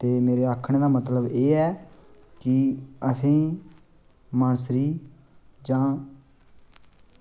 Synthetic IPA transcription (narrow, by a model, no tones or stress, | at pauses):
t̪eːmeːɾeːaːkʰəɳ̃d̪aːmət̪ləbeːɛːkɪəsĩː | maːnsɾiː | d͡ʒãː